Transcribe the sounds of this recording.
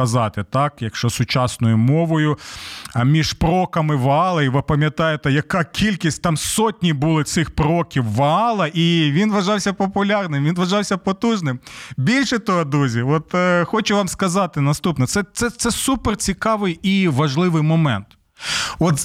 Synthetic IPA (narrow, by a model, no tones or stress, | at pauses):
ɐzɑt̪ɪt̪ɑkjɐkʃt͡ʃɔsʊt͡ʃɑsnɔjʊmɔʋɔjʊ | mʲiʒpɾɔkɐmɪʋɐɑlˠɐiʋɪpɐmʲjɐt̪ɑjet̪ɛjɐkɑkʲʰilʲkʲisʲt̚ʲt̪ɑmsɔtʲnʲibʊlˠɪt̪sɪxpɾɔkʲiwːɐɑlˠɐʔiʋʲinʋɐʒɑwsʲɐpɔpʊlʲɑrnɪmʋinʋɐʒɑwsʲɐpɔt̪uʒnɪmbʲilʲʃɛt̪ɔɦɔd̪uzʲiɔt̪xɔt͡ʃɛʋɑmskɐzɑt̪ɪnɐst̪upnɔt̪sɛt̪sɛt̪sɛsupert͡sʲikɑʋɪjiʋɐʒlˠɪʋɪjmɔmɛnt̪ | ɔt̪